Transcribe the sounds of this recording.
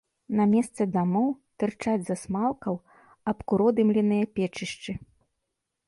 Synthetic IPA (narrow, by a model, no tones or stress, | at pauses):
nɐmʲɛst̪sɛd̪amɔwt̪ɨrt͡ʂad͡zʲzɐsmalˠkɐw | ɐpkuɾɔd̪ɨmlʲɛnɨjɐpʲɛt͡ʂɨʂt͡ʂɨ